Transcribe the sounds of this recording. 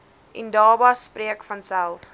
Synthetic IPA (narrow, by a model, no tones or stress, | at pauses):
ʔɛndɑːbɐspriəkfɐnsælˠf